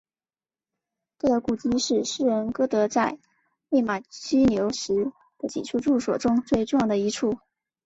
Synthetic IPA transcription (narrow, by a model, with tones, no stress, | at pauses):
t̪a˥˩d̪ə˧˥ku˨˩t͡ɕi˥ʂɻ̩˥˧ʂɻ̩˥ɻə˧˥nkɤ˥t̪ɤ˧˥t͡sa˥˧ɪ | le˥˩ɪma˨˩t͡ɕʰy˥njo˧˥ʊʂɻ̩˧˥ | d̪̥ə˧t͡ɕḭ˨˩ʈ͡ʂʰu˥˧ʈ͡ʂu˥˩swɔ̰˨˩ʈ͡ʂʊ˥ŋt͡swe˥˧ɪʈ͡ʂʊ˥˧ŋjɑ˥˩d̪ə˩i˧˥ʈ͡ʂʰu˥˩